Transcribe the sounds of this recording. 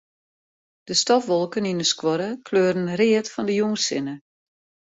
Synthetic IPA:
d̥əstɔfʋɔlˠkəninəskwɔɾəkʰløːrən̩rɪətfɔndəjuŋsɪnə

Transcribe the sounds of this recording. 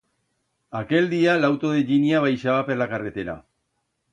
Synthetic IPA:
ake̞ld̪ialawt̪oðeʎiniaβ̞ajʃaβapeɾlakaɾɣet̪eɾa̰

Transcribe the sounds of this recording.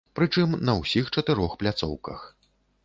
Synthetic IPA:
pɾɨt͡ʂɨmnɐwsʲixt͡ʂɐt̪ɨɾɔxplʲat̪sɔ̰wkɐ̰x

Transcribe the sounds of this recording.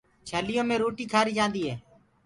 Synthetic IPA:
t͡ʃʰəlɪjõːmẽːɾoːʈiːkʰaːɾiːd͡ʒãːnd̪iːɦeː

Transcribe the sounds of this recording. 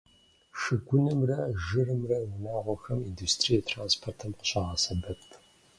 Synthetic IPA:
ʂɨɡʷʊnɨmrɐʒɨrɨmrɐwʊnaːʁʷɔxɐmiːndustʰrijɛtʰraːnspʰortʰɨmqə̥ɕʼaːʁɐsɐbɐpʰ

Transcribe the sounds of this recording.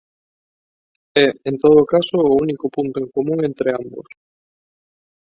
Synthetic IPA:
ɛent̪oð̞ʊkasoːunikopunt̪oeŋkomũŋẽnt̪ɾɪambo̰s

